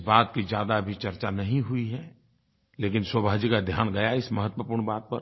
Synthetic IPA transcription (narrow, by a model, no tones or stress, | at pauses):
baːt̪kid͡ʒjaːd̪abʱit͡ʃɐɾt͡ʃanɐɦĩɦuiɦɛ | leːkɪnswəbʱaːd͡ʒikad̪ʱjaːnɡɐjaɪsmɐɦət̪wəpuːɾɳbaːt̪̚pəɾ